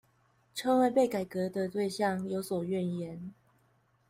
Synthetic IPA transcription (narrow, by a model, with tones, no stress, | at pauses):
ʈ͡ʂʰɤ˥ŋwa˥˧pe˥˨˩ɪka˨˩ɪkɤ˨˧˥d̪ə˧t̪we˥˧ɪɕjɑ˥˨ŋjo˧˥ʊswɔ˨˩ɥɛ˥˨njɛ˧˦n